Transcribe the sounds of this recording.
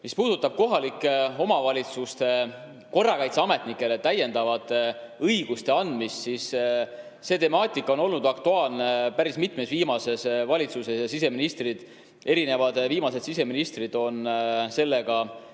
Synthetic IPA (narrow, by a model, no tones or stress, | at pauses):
mispuːd̪̥ut̪ːˑɑb̥̚ko̞ɦɑlikːˑo̞mɑvɑlʲit̪sust̪e̞ | ko̞rːɑkɑjt̪seɑme̞t̪nikːˑe̞le̞t̪æjːe̞nd̪ɑvɑd̪̥ɤjɡ̥ust̪e̞ɑnd̪̥mist̪sis | se̞ːt̪e̞mɑːt̪ʲˑikːˑo̞no̞lnud̪̥ɑkt̪uɑːlnepæɾismit̪mesviːmɑse̞svɑlʲit̪suse̞sjɑsise̞minist̪rid̪̥ | e̞ɾine̞vɑd̪viːmɑsed̪sise̞minist̪rid̪̥o̞nse̞lːe̞ɡ̥ɑ